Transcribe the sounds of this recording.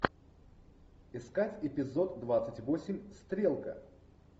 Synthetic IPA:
ɪskatʲɪpʲɪzo̞t̪ːvat̪sətʲvosʲɪmʲst̪ɾʲelˠkə

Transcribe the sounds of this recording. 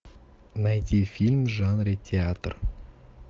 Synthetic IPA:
nɑjt̪ʲifʲilʲmʒɑnrʲetʲʰeat̪r

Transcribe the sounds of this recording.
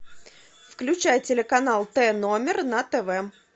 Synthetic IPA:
fklʲʉt͡ɕæjtʲɪlʲɪkɐnalˠt̪ɛnomʲɪrnɐt̪ɛvɛ

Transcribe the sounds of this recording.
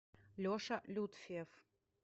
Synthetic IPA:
lʲoʃɐlʲut̪fʲief

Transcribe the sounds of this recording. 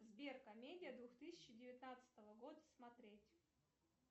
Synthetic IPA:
zbʲerkɐmʲedʲɪjəd̪vuxt̪ɨsʲɪ̥t͡ɕɪdʲɪvʲɪt̪nat̪sɨ̥t̪əvəɡo̞d̪əsmɐt̪ɾʲetʲ

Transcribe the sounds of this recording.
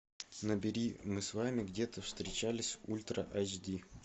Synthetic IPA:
nəbʲɪɾʲimɨsvamʲɪɡdʲet̪əfst̪ɾʲɪt͡ɕælʲɪsʲulʲt̪ɾə̰ʔat͡ɕd̪ʲi

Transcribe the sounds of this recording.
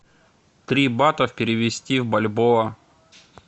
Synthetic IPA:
t̪ɾʲibat̪əfpʲɪɾʲɪʋʲɪsʲtʲivbɐlʲboɐ

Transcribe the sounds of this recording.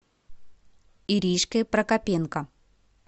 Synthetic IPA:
iɾʲiʂkpɾɐkɐpʲenkɐ

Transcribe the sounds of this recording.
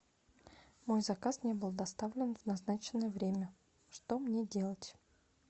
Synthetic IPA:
mo̞jzɐkasnʲe̞bɨlˠd̪ɐst̪avlʲɪnvnɐznat͡ɕɪnːəjəvɾʲemʲə | ʂt̪o̞mnʲedʲe̞lˠətʲ

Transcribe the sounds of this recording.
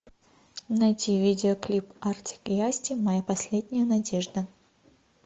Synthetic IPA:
nɐjtʲivʲidʲɪoklʲipartʲɪ̥kɪasʲtʲɪmɐjapɐsʲlʲedʲnʲɪjənɐdʲeʐd̪ə

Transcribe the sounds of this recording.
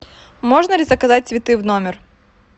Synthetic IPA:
moʐnəlʲɪzɐkɐzat̚ʲsvʲɪt̪ɨvnomʲɪr

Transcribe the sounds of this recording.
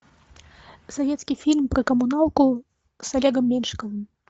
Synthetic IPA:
savʲɛt̪skʲifʲilʲmpɾɨkɐmunalku | salʲɛɡɐmːʲɛnʂkɐvɨm

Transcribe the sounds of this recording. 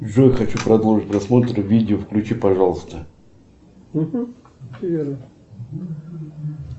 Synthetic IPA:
ʐojxɐt͡ɕupɾʔɐd̪olˠʐɨt̚ʲpɾɐsmot̪ɾɨvʲidʲɪofklʲʉt͡ɕipɐʐalˠəst̪ə

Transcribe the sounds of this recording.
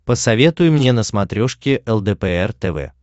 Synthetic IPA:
pəsɐvʲe̞t̪ʊjʊmnʲenəsmɐt̪ɾʲoʂkʲɪʔɛlˠd̪ɛpɛɛrt̪ɛvɛ̰

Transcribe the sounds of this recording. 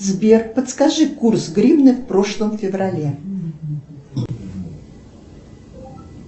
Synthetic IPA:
zbʲerpət̪skɐʐɨkursɡɾʲibnɨfpɾoʂlˠəmfʲɪvrɐlʲe

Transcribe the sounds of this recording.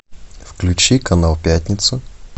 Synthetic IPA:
fklʲʉt͡ɕikɐnalˠpʲætʲnʲɪt̪sə

